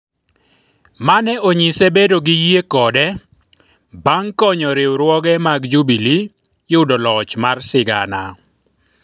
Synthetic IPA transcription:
manɛʔoɲisebedoɡɪjiekɔdɛ | baŋkɔɲɔɾɪwɾwɔɡɛmaɡd͡ʒubili | jʊdɔlɔt͡ʃmarsɪɡa̰na

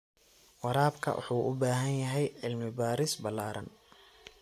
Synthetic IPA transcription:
wɑɾaːbkʰɐ̰wʔʊ̰ħuːʔʊbaːɦɐnjɐɦɛjʕɪlmɪbaːɾɪsbɐlːaːɾɐ̰n

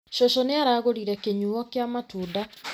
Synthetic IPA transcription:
ʃɔʃɔneaɾaːɣoɾiɾɛkeɲuɔkjamatuda

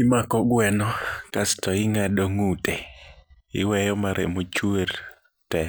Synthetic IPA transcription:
imakɔɡwɛnɔkastɔɪŋadɔŋute | ɪwɛjɔmaɾḛmot͡ʃweɾ | tɛ

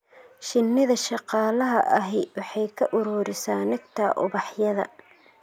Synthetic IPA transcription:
ʃɪnːɪðɐʃɑqɑːlɐɦɐ̰ʔɐɦɛjwɑħɑjkʰɐʔʊɾʊːɾɪsaːnɐɡt̪ʰɐʔʊβɑħjɐðɐ̰

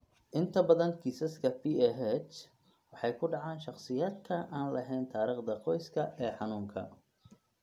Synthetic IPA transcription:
ʔɪnt̪ʰɐbɐðɐnkʰiːsɐskʰɐpʰiːɛɦɛt͡ʃ | wɑħɑjkʰʊɖɑʕaːnʃɑqsɪjaːd̪kʰɐʔaːnlɐɦɛjnt̪ʰaːɾiːχd̪ɐqɔjskʰɐʔɛːħɑnuːŋkʰɐ̰

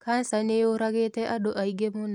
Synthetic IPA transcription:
kansaneoɾaɡetɛʔadoʔaiɡemon

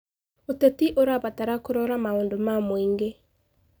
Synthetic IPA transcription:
otetiʔoɾaβataɾakoɾɔɾamaoːndomamoiŋɡe

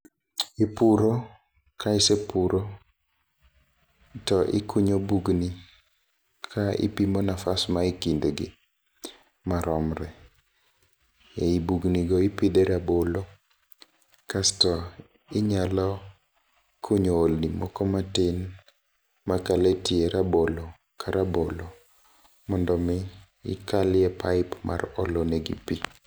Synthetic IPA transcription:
ɪpuɾo | kaɪsepuɾo | tɔʔɪ̰kuɲobuɡni | kʰaɪ̰pimɔnafasmaɪkindɡɪ | maɾɔmɾɛ | eibuɡniɡɔɪpid̪eɾabolo | kastɔ | ɪɲalɔ | kʰoɲoːlnimɔkɔmatɪn | makaletieɾabolo | kʰaɾabolo | mɔndɔmɪ | ɪ̰kalɪjɛpaɪpma̰rɔloneɡḭpi

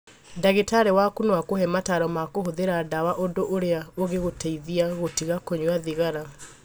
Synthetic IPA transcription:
daɣetaɾɛwakunwakoɦɛmataɾɔmakoɦoðeɾadawaʔondoʔoɾeaoɣeɣotɛiðiaɣotiɣakoɲwaðiɣaɾa

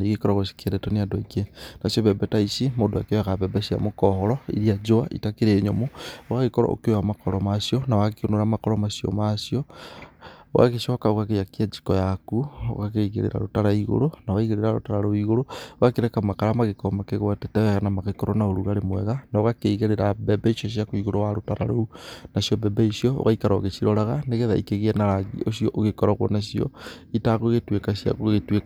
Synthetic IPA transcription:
niɣikɔɾɔɣosi̥keɾɛtoneadoikenasoβɛbɛtaisimondoakeaɣaβɛbesia̰mokɔhɔɾɔḭɾiad͡ʒoa̰ʔḭtakeɾeːɲomoowaɣekɔɾɔ̰ʔo̰kewamakɔɾɔmasjɔnawakionoɾamakɔɾɔmasiɔ̰masjɔ | wa̰ɣeʃɔkaoɣaɣejakiad͡ʒi̥kɔjakuo̰ɣakeiɣḛɾḛɾa̰ɾotaɾaiɣo̰ɾonawaiɣeɾeɾaɾo̰taɾaɾoiɣoɾooɣakeɾɛkamakaɾamaɣekomakeɣwatetaɛɣanamaɣekɔɾɔnaoɾuɣaɾemwɛɣanaoɣakeiɣeɾeɾabɛbɛiʃoʃ̬iakoiɣoɾowaɾotaɾa̰ɾounasjɔbɛbɛisjɔo̰ɣaikaɾa̰ɣet͡ʃiɾɔɾaɣaneɣeðaḭkeɣeɛnaɾaɣḭoʃjɔʔoɣekɔɾɔɣwɔ̰naʃjɔ̰itaɣoɣetwekasja̰ɣoɣetwek

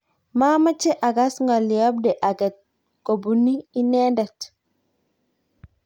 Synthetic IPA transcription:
mamat͡ʃɛʔaɡasŋɡɔlːiɔbdɛʔaɡɛt̚ | kobunːiːnɛndɛt

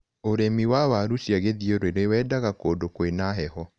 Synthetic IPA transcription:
oɾemiwawaɾuʃjaɣeðioɾweɾewɛːdaɣakoːdokoenaɦɛhɔ

